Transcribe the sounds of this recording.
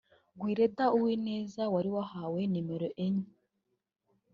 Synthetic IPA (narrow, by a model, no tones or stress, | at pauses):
ɡwiːɾedauwiːneːzawaɾiwahawenimeɾoʔeɲi